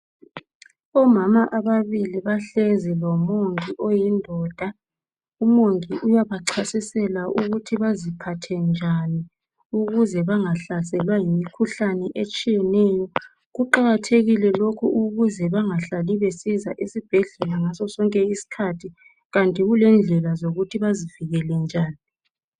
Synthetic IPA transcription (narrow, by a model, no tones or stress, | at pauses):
ɔmamaʔaβaβiliβaɬɛzilɔmoŋiʔɔjindʱɔːd̥ʱa | umoŋiʔujaβaǁʰasisɛlaʔuɣutʰiβazipʰatʰɛnd͡ʒʱani | uɣuzɛβaŋaɬasɛlwajimikʰuɬanɛʔet͡ʃʼijɛnɛːjɔ | ɣuǃaɣatʰeɣilɛlokʰuʔuɣuzɛβaŋaɬaliβesizaʔisib̥ʱɛɮɛlaŋasɔsɔŋkʼɛisi̥kʰatʰi | ɣantʼiɣulɛnd͡ɮʱɛlazoɣutʰiβaziviɣɛlɛnd͡ʒʱaːni